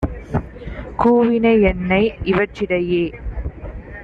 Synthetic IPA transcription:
kuːʋɪnɐɛnːɐɪʔɪʋɐt͡ʃːɪɽɐjeː

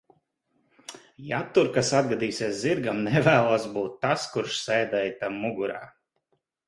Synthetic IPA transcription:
jat̪ːuɾkasad̪ɡad̪iːsʲeɛsziɾɡamnɛvæːlˠuɔsbuːt̪ːaskuɾʃsɛjd̪ɛjt̪amːuɡuɾa̰ː

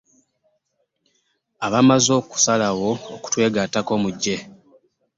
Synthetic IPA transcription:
aβamazo̞ːku̥salawo̞ːku̥twe̞ːɡatako̞muɟːe̞

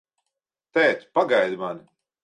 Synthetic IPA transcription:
t̪ɛːt̪paɡajd̪mani

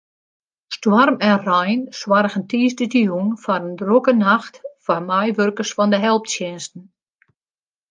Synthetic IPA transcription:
stwɔrmɛnrajnswarɣəntiːsdədiunfaɾəndrokənaxtfamajʋørkəsfɔndəɦɛlˠp̚tsjɛnstn̩

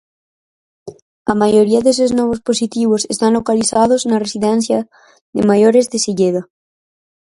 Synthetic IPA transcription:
amaʝo̞ɾiaðes̬oznoβosposit̪iβo̞sest̪anlo̞kaliθaðoznaresiðenθja | ðḛmaʝoɾe̞zðe̞siʎeða

